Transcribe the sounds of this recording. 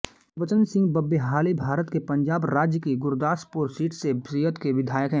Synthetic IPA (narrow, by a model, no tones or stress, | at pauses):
ʋət͡ʃənsɪ̃ŋɡ̚bɐbːeɦaːlibʱaːɾət̪kepɐ̃ɲd͡ʒaːbɾaːd͡ʒjəkiɡʊɾd̪aːspʊɾsiːʈʰsesiɦət̪keʋɪd̪ʱaːjəkɦɛ̃ː